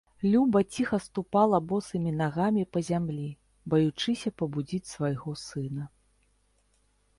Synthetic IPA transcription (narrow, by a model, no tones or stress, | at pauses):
lʲubɐt͡sʲixɐst̪upalˠɐbɔsɨmʲinaɣamʲipɐzʲamlʲi | bɐjut͡ʂɨsʲɐpɐbud͡zʲit͡sʲsvajɣɔsɨnɐ